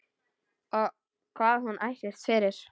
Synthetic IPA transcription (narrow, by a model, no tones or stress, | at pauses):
ɔɣ | kʰvaːðhunʔajsɛst̪fɪːɾɪɾ̥